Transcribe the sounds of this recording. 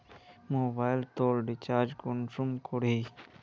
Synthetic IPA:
moːbaːjlt̪oːlɖit͡ɕaːɾd͡ʑkonsumkoɽi

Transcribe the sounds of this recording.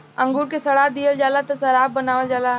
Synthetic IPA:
ə̃ŋɡuɾkesɐɽad̪ijəld͡ʒaːlat̪ɐsɐɾaːbbənaːʋəld͡ʒaːla

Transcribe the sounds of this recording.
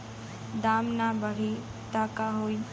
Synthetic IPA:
d̪aːmnabəɽ̤i | t̪aːkaɦoːi

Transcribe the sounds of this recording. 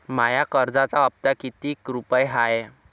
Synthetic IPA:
majakəɾd͡zat͡saəp̚t̪akit̪iːkɾupəjɦaje

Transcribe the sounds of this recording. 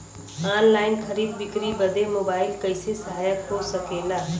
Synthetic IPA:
aːnlaːɪnxʰɐɾiːd̪̚bɪkɾibɐd̪ʱemoːbaːɪlkɐɪsesɐɦaːjət̪ɦosɐkeːlaː

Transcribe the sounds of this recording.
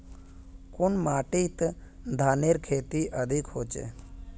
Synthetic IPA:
kʊnmaːʈit̪ | d̪ʱaːneɾkʰeːt̪iʔəd̪ʱikhoːt͡ʃḛ

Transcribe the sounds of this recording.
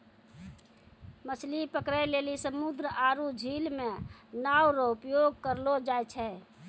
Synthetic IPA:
mət͡ʃʰlipəkɾəlelisəmud̪ɾəʔaɾud͡ʒʱilmenawɾɔupjoɡ̚kəɾlod͡ʒajt͡ʃʰɛ

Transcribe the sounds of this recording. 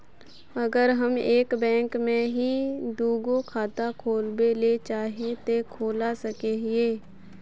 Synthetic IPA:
ɐɡəɾɦɐmeːkbɛ̃ːŋkmẽɦid̪uːɡokʰaːt̪akʰoːlbelet͡ʃaːɦet̪ekʰoːlasɐkeɦieː

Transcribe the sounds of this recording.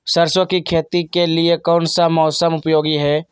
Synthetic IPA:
səɾswəkikʰeːt̪ikeliekɔːnsamɔːsəmʊpjoːɡiɦɛː

